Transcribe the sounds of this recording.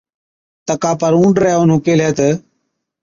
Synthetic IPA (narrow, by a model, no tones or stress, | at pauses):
t̪əkaːpəɾũːɳɖɾəɦʊnɦʊkeːlɦeːt̪ə